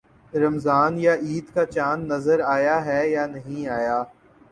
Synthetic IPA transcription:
ɾɐmzaːnjaʔiːd̪kat͡ʃaːnːɐzəɾaːjaɦɛjanɐɦĩaːjaː

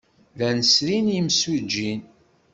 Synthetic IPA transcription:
ðænəsɾinimsud͡ʒːin

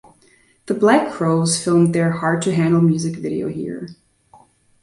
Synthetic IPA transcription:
ðəblækʰːɹ̥oʊz̥fɪlˠmðə˞hɑɹd̚tʰɨɦæ̃ndˡl̩ˠmjʉzɨkvɪɾḭo̰ʊhḭɹ

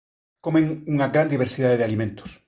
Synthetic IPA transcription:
komẽŋuŋaɣɾand̪iβ̞eɾsiðaðeðealimẽnt̪o̥s

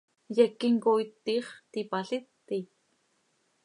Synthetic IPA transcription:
jɛkːiŋkojt̪ːiːχt̪ipaɬit̪ːi

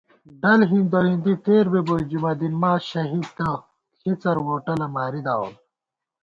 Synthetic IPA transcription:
ɖɐlɦind̪oɦĩnd̪it̪eːɾbebojd͡ʑumɐd̪inmaːɕɐɦid̪̚t̪ɐ | xʰit͡sɐɾwoːʈɐlɐmaːɾid̪aːo̰l

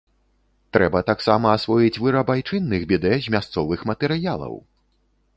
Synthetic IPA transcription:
t̪ɾɛbɐt̪aksamɐːsvɔjit͡sʲvɨɾɐbajt͡ʂɨnːɨɣbʲɛd̪ɛzʲmʲast̪sɔvɨxmɐt̪ɛɾɨjalˠɐ̰w

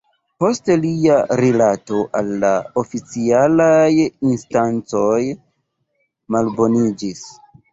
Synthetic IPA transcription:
po̞steliaɾilato̞ʔalːaofit͡sialajinstant͡so̞j | malbo̞nid͡ʒis

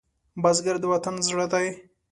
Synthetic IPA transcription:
bazɡaɾd̪əwat̪anzɽəd̪aj

